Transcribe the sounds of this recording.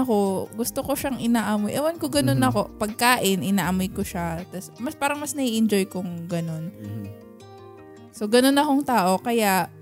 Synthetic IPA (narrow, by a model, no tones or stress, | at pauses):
ɐko̞ɡʊst̪okoʃaŋɪnaːʔamojʔɛwɐnkoɡɐnonɐko̞pɐɡ̚kaːʔɪnɪnaːʔɐmojkoʃat̪ɐsmɐspaːɾɐŋmɐsnɐiʔɪnd͡ʒojkʊŋɡɐno̞n | soɡɐno̞nɐkoŋt̪aːʔo̞kɐjaʔ